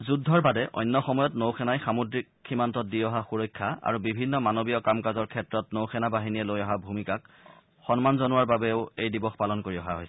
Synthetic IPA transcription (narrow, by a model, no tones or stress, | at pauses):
zudʱːɔɹbadɛʔɔ̰jnːɔxɔmɔjɔtnowxʰɛnajxamudɹikximantɔt̚diɔɦaxuɹɔjkʰːaa̰ɹubibʱinːɔmanobijɔkamkazɔɹkʰɛtɹɔtnowxɛnabaɦiniɛlojɔɦabʱumikak | xɔnmanzɔnuwaɹbabɛʊejdibɔxpalɔnkoɹiɔɦaɦojsɛɛ